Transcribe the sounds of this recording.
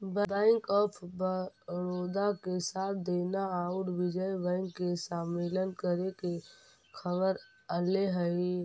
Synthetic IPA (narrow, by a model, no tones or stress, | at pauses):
bbɛ̃ːŋkɔːpʰbəɾoːd̪akesaːt̪̚ʰd̪eːnaaːʊʈʋɪd͡ʒəjbɛ̃ːŋkːesaːmeːlənkəɾeke | kʰəbəɾ | əleɦə